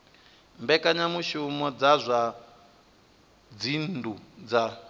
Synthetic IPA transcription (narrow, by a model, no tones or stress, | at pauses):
mbɛkaɲamuʃumɔd͡zazʷa | d͡zindud͡za